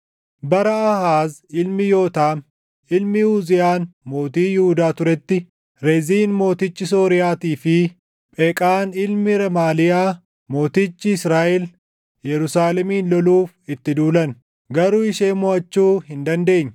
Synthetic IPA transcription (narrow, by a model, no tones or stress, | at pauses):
bɐɾɐɐhaːzɪlmɪjo̞ːt̪aːm | ɪlmɪhuːzɪjaːnmo̞ːt̪iːjɪhʊd̪aːt̪ʊɾɛt̪ːɪ | ɾeziːnmo̞ːt̪ɪt͡ʃːɪs̬oːɾɪjaːt̪iːfɪ | pʼɛːkʼaːnɪlmɪɾɐmaːlɪjaː | mo̞ːt̪it͡ʃːɪɪsɾaːʔɛl | jɛɾʊsaːlɛmiːnlɔluːf | ɪt̪ːɪd̪uːlɐn | ɡɐɾuːɪʃeːmɔɐt͡ʃːuːhɪnd̪ɐnd̪e̞ːɲː